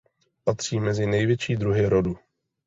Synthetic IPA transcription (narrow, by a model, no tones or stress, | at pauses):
pat̪r̝̥iːmɛzɪnɛjvjɛt͡ʃiːd̪ɾuɦɪɾodu